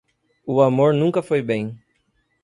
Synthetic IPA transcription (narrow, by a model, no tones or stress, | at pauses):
ʊamoɾnũŋkɐfojbẽj̃